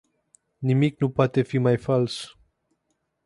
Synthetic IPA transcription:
nimik̚nupwat̪efimajfals

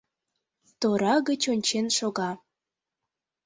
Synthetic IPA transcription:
t̪oɾɑɣət͡ɕonʲt͡ɕenʃoɣɑ

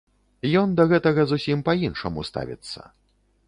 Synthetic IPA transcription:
jɔnd̪ɐɣɛt̪ɐɣɐzusʲimpɐinʂɐmust̪a̰vʲḭt̪sːɐ̰

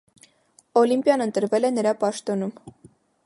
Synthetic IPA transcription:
ɔlimpjɑnənt̪əɾvɛlɛnəɾɑpɑʃt̪ɔnum

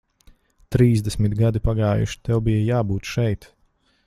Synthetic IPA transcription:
t̪ɾiːzd̪ɛsmit̪ɡad̪ipaɡaːjṵʃi̥t̪ɛwbijajaːbuːt̪ʃɛjt̪

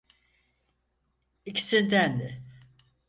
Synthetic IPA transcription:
icʰi̥sind̪ænd̪ɪ

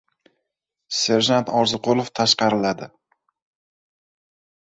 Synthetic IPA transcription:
se̞ɾʒant̪ʰɒɾzɨqʰolˠoft̪ʰaʃqɑɾɪlad̪ɪ

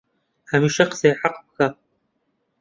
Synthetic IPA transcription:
ħamiːʃɐqsejħaqp̚xa

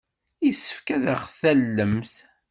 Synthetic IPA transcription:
isə̥fkæðəχθælːəmθ

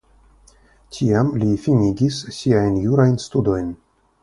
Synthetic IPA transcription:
tʲʰiamlʲifinʲiɡʲissiajnjuɾajnst̪ud̪o̞jn

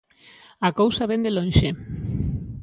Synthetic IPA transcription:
akowsaβend̪elõnʃe

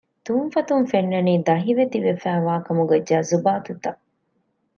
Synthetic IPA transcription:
t̪umfɐt̪umfenːɐniːd̪ɐɦiʋet̪iʋefæːʋaːkɐmuɡɐd͡ʒːaːzubaːt̪ut̪ɐ

